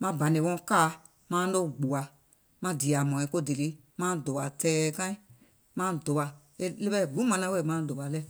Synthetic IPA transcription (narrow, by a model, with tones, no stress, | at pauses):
mã˧bã˨nẽ˨wɔ̃˧˦kaː˦˨ | mãː˦lo˦˨ɡ͡bu˨a˨ | mã˧di˨a˨mɔ̃˨ĩ˨˦ko˦de˨li˦ | mãː˦do˨wa˨tɛː˦˨kã˦ĩ˦ | mã˦do˨ba˨ | e˧le˦bɛ˦˨ɡ͡bũ˨˦mã˧nã˦we˦˨mã˦˨do˨ba˨lɛ˦˨